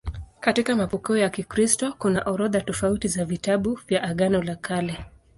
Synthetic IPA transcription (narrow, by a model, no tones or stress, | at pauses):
katikamapɔkiɔjakikɾistɔkunaʔɔɾɔðatɔfautizavitaɓuvjaʔaɠanɔlakʰalɛ